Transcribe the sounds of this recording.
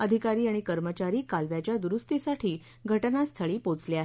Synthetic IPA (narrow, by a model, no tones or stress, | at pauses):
əd̪ʱikaɾiːaɽ̃ikəɾmət͡ɕaɾiːkalʋjat͡ɕjad̪uɾust̪isaʈʰiː | ɡʱəʈnast̪ʰəɭiːpot͡sleaɦe